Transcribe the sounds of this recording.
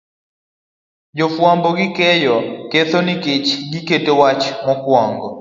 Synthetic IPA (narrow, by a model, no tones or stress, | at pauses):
d͡ʒɔfwambɔɡɪkɛjɔkeθonɪkɪt͡ʃɡiketewat͡ʃmɔkwɔŋɡɔ